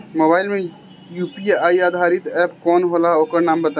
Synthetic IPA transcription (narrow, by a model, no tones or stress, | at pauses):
moːbaːɪlmẽ | juːpiaːiaːd̪ʱaːɾɪt̪ɛːpkɔːnɦoːlaːoːkəɾnaːmbət̪a